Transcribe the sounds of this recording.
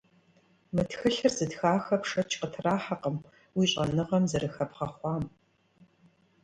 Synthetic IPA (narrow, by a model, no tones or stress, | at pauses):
mɨtxɨɬɨrzɨtxaːxɐpʂɐt͡ʃʰqətʰraːħaqəm | wiːɕʼɐnɨʁɐmzɐɾɨxɐpʁɐχʷɑːm